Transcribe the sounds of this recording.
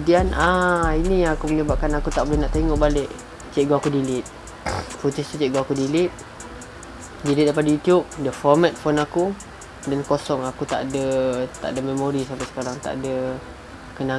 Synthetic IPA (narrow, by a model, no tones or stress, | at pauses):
dianainijaŋakuməɲəbap̚kanakut̪aʔbolɪhnaʔt̪eŋɔʔbalɪʔ | t͡ʃeʔɡoakudilɪt̪̚ | fut̪ist̪ut͡ʃeʔɡoakudilɪt̪̚ | dilɪt̪̚dajpadajut̪jup̚dəfɔrmat̪̚fɔnaku | dankosɔŋakut̪a̰ʔdət̪a̰ʔdəmemoɾisampasə̥kaɾaŋt̪a̰ʔdə | kəna